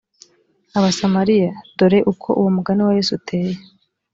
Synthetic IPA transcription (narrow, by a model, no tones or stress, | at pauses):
aβasamaɾijad̥oɾe̞ʔukʰo̞̰ʔuwomuɡaniwaje̞ːsutʰe̞ːje